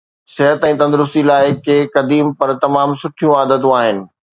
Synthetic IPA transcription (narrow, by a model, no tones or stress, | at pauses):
sɪɦət̪ɛ̃ːt̪ɐ̃nd̪ʊɾʊst̪ilaːɪkeːkɐd̪iːmpɐɾt̪ɐmaːmsʊʈʰijũaːd̪ət̪õaːɦɪnɪ̆